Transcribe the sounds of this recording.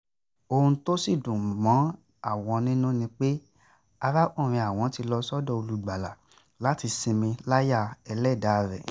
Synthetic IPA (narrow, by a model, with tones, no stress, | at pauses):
o˧ũ˧to˦si˦˨dũ˨mɔ̃˨˦ | a˦˨w̃ɔ̃˧nĩ˦nũ˦nĩ˧k͡pe˦ | a˧ɾa˦ʔũ˦˨ɾ̃ĩ˧a˨w̃ɔ̃˨˦ti˧lɔ˧sɔ˦dɔ˧˨o˧lu˦ɡ͡ba˨la̰˨ | la˨˦ti˧sĩ˧mĩ˧la˦ja˦˨ɛ˧lɛ˦˨da˨˧ɾɛ̰˨